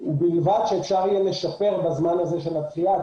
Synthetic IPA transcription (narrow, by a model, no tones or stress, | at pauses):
ubilvadʃeefʃaʁijele̞ʃape̞ʁbazmanaze̞ʃelat̪ia